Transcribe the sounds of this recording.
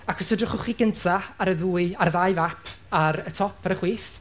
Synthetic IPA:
akʰɔsədrɪχʊχiɡəntʰaaɾəðuːɨaɾəðajvapʰ | aɾətʰɔpʰaɾəχwiːθ

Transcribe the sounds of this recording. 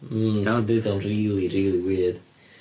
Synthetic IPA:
nadɨðɔnriːlˠiɾiːlˠiwiːð̥

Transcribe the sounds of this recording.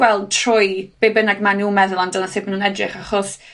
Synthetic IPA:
wɛlˠd̚tʰrʊjb̥ebənaɡmanumɛðʊlˠandəlˠənsɪːpmanuːnɛdrɪχaχɔs

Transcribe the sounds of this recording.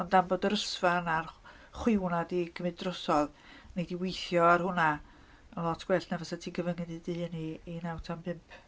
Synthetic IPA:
ɔndanboːdəɾəsvanar | χwɪwnadiɡʰəmɨdrɔsɔð | nejdiwejθjɔarhʊna | ənlˠɔtʰɡ̥wɛɬnavasatʰiːnɡəvənŋɪndidɨːniːnawtʰampʰɪmpʰ

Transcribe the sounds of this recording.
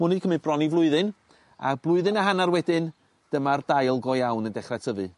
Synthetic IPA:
munɨdkʰəmɨbrɔnivlˠʊɨðɨn | a̰blˠʊɨðɨnaɦanarwɛdɪn | d̥əmardajlˠɡɔjawnəndɛχratʰəvɨ

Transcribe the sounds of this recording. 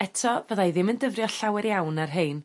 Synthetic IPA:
ɛtʰɔvəðajðɪməndəvrjɔɬawɛɾjawnarɦeɨn

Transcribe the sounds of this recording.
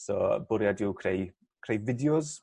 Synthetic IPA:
sɔ̰bʊɾjadɪwkʰrej | kʰrejvɪdjʊz

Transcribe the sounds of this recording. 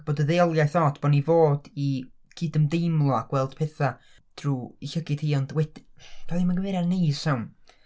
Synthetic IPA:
b̥oːdəðeɔlˠjajθɔdb̥onivoːdi | ɡ̥ʰiːdəmdejmlˠɔaɡ̥wɛlˠd̥pʰeːθa | d̥ruːiɬəɡɨd̥hiːɔndwɛd̥v̥ʰalimanɡəvɛɾanej̥sawn

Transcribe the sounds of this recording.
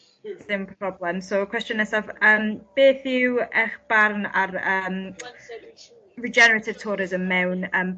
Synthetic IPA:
sɪmpʰrɔblɛmsokʰw̥ɛst͡ʃənɛsavəːmb̥eːθɪwɛχb̥arna̰rəm | ɹid͡ʒɛnəɹetʰɪd̥̚tʰɔːɾɪzəmːɛwnəːm

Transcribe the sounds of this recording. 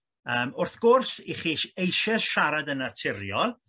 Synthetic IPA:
əːmʊrθɡ̥ʊrsiχiʃejʃɛsʃaɾadənatʰɪɾjɔlˠ

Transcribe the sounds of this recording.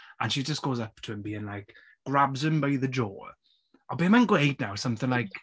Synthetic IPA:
ʔə̃nʃid͡ʒʌsɡ̥oʊzʌp̚tʰəə̃nbiːɪ̃ŋlaɪk | ɡ̥ɹabzə̃mbaɪðəd͡ʒɔ̰ː | abimãɪ̃nɡweɪd̚nawsʌ̃mθɪ̃ŋlaɪk

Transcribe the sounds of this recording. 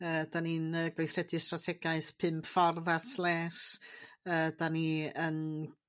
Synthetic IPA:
əːd̥aninəːɡwejθrɛdɨstratʰɛɡaɨθpʰɪmpfɔrðartʰlˠɛːs | əːdaniən

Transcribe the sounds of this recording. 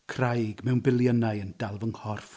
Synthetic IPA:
kʰrajɡmɛwnbɪlˠjənajənd̥alˠvəŋhɔrf

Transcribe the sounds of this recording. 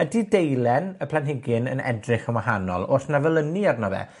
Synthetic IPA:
ədidejlɛnəpʰlˠanɦɪɡɪnə̰nɛ̰drɪχəwaɦanɔ̰lˠoθnavɛlˠəniarnɔvɛ̰

